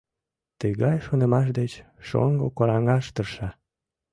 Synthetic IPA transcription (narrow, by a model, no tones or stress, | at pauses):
t̪əɣɑjʃonemɑʃ̬d̪et͡ɕ | ʃo̰ŋɡokoɾɑŋɑʃt̪ərʃɑ